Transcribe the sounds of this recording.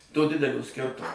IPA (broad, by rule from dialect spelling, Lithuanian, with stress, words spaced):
toː ˈdʲɪdʲɛlʲoː ˈsʲkʲɪrtʊmoː